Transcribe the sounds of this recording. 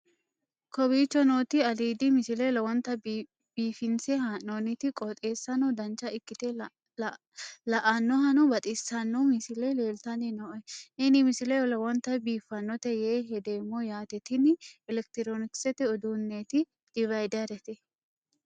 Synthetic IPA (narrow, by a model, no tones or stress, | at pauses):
kɔbiːt͡ʃːɔnoːt̪ɪɐd̪iːd̪ɪmɪsɪlɛlɐwɔnt̪ːɐ | b̥iːfɪnsɛɦaonɪt̪ɪkʼɔt̪ʼeːsːɐnɔd̪ɐnt͡ʃːɐɪkːɪt̪ɛ | lɐʔɐnːɔɦɐnɔbɐt̪ʼɪsɐnːɔmɪsɪlɛle̞ːlt̪ɐnɪnɔʔɔɛʔɛnɪmɪsɪlɛjɔlɐwɔnt̪ɐbiːfːɐnːɔt̪ɛjeːɦɛd̪eːmːɔjaːt̪ɛt̪ɪnɛlɛkt̪ɪɾonɪksɛt̪ɛɔd̪uːnːet̪ɪ | d̪̥ɪvɐjd̪ɐɾɛt̪ɪ